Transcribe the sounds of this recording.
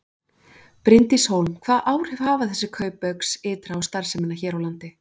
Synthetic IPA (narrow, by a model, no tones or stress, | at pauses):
pɾɪnt̪ishowlmkʰv̥aːðʔaːwɾ̥hɛv̥haːvaθɛsːɪkʰœːɥpːœksɪːt̪ɾaawst̪aɾ̥sɛmɪnːaçɛːɾawlant̪ɪ